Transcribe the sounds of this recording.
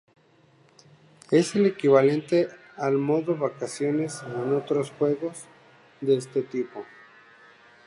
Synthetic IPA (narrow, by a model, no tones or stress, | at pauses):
e̞selekiβale̞nt̪e̞ | almo̞ðoβakasjo̞neskono̞t̪ɾosxwe̞ɣo̞z | ðeest̪et̪ipo̞